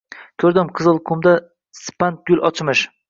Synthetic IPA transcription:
kʲʰɵɾd̪ɪmqʰɨzɨlˠqʰʊmd̪a | sɪ̥pant̪̚ɡʲʊlʔɒt͡ʃʰmɪʃ

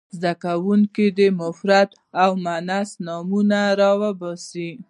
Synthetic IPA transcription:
zd̪akawuŋkid̪əmʊfɾat̪ | awmanasnɑmunaɾɑwəbɑsi

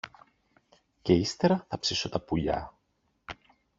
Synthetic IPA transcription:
ce̞ist̪eɾɐθɐpsiso̞t̪ɐpuʎɐ̰

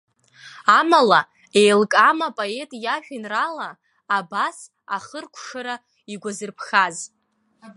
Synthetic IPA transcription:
amala | ejlkʼamapʼoe̞tʼjaʃᶣinralaː | bas | aχərkʷʰʂaɾa | iɡʷazɨrpʰχaz

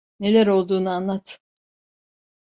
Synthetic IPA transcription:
ne̞lʲæɾo̞lˠd̪uːnuanlˠat̪ʰ

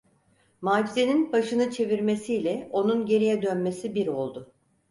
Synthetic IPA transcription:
maːd͡ʒize̞ninbaʃɯnɯt͡ʃʰe̞viɾme̞siːlʲɛo̞nunɟe̞ɾijɛd̪ønme̞sibiɾo̞lˠd̪ʊ

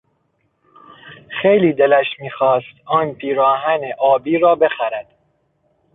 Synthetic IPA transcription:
xejliːd̪elæʃmiːxɒːst̪ɒːnpʰiːɾɒːɦæneʔɒːbiːɾɒːbe̞xæɾæd̪̥

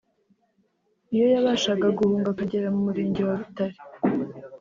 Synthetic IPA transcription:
ijo̞jaβaːʃaɡaɡuhuːŋɡakaɟeɾamumuɾiːɲɟewaβutaɾi̥

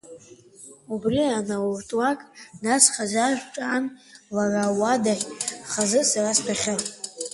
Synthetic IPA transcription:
ubrianawurtʼwakʼnasχazaʒʷᶣʈ͡ʂʼanlarawadaχʲχazɨsaraspʰaχʲar

